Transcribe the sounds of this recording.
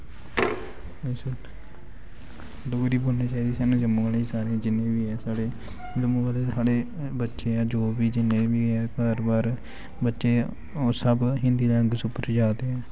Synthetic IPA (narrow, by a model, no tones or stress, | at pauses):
esə | loːɾiːboːlneːt͡ʃaːiːd̪iːsaːnũːd͡ʒəmũːɡəleiːsaːɾeːd͡ʒɪnẽːʋiːɛːsaːɽeː | ləmõːbaːleːsaːɽeː | bətːʃeːɛːd͡ʒoːbiːd͡ʒɪnːẽːʋiːɛːkəɾbaːɾ | bətːʃeː | oːsəbɦɪ̃nd̪iːd̪aːəŋɡsʊpəɾd͡ʒaːd̪eɛː